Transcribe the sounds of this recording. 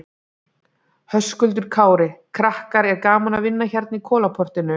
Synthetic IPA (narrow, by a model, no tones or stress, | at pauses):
hœskʏlt̪̬ʏɾ̥kʰaːwɾɪkʰɾahkaɾɛɾkaːmanavɪnːaçaɾt̪̚nikʰɔːlapʰɔr̥t̪ɪnʏ